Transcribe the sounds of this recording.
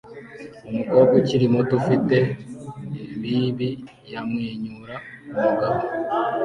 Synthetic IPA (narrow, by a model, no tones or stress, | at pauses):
omukoɾɡociɾimotufite̞ː | mbiːβi | jamweːɲuɾa | omuɡaβo